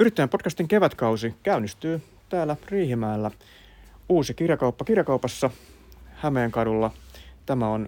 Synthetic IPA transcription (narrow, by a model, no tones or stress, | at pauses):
yɾit̪ːæjempo̞tkɑst̪iŋkeʋæt̪kɑusikæynːˑist̪yː | t̪æːlːæriːhimæːlːæ | uːsikirjɑkɑupːɑkirjɑkɑupɑsːɑ | hæmeːŋkɑdulːɑt̪æmæon